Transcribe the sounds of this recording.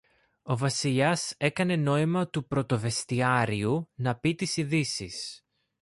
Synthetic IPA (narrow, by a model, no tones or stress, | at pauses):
o̞vɐsiʎɐse̞kɐne̞no̞imɐt̪upɾo̞t̪o̞ve̞st̪iɐɾiunɐpit̪isiðisis